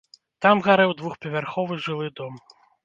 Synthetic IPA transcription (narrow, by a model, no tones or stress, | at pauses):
t̪amɣaɾɛwd̪vuxpʲɐvʲarxɔvɨʐɨlˠɨd̪ɔm